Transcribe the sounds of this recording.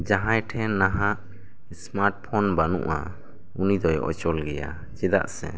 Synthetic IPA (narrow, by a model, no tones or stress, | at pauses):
d͡ʒaɦãjʈʰɛnaɦaʔ | smaɾʈ̚pʰɔnbanṵ̃ʔa | unid̪ɔjʔɔ̰t͡ʃɔlɡɛja̰ | t͡ʃɛd̪a̰ʔsɛ̰